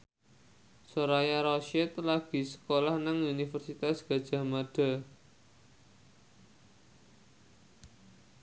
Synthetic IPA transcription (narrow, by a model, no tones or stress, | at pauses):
soɾajaɾɔʃɛt̪laɡ̥i̤sə̥kolahnaŋunifərsit̪asɡ̥ä̤d̥ʒ̥a̤maɖ̥a̤